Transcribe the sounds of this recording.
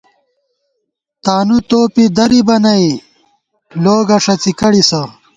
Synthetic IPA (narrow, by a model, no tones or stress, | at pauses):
t̪aːnut̪oːpid̪ɐɾibɐnɐi | loːɡɐʂɐt͡sikɐɽisɐ